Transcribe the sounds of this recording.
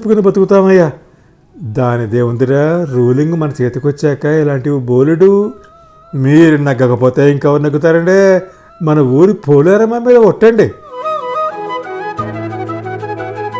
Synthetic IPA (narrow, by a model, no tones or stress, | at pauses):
pːukunibɐt̪ukut̪aːmɐjːa | d̪aːnid̪eːʋund̪iʈaɾuːliŋɡmɐnɐt͡ʃeːt̪ukʋɐt͡ʃːɛːkɐilaːɳʈiboːliɖu | miːɾunɐɡːɐkɐpoːt̪e̞ːiŋkɐʋɐɾnɐɡːut̪aːɾɐɳɖeː | mɐnɐuːɾipʰoːlaːɾɐmaːmiːd̪ɐɔʈːɐɳɖi